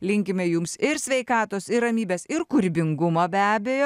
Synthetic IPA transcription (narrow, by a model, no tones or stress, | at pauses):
lʲɪŋʲkʲɪmʲɛjʊmsɪɾsʲʋʲɛɪkɑːt̪oːsɪɾrɐmʲiːbʲeːsɪɾkʊɾʲbʲɪŋɡʊmɐbʲæːbʲeːjoː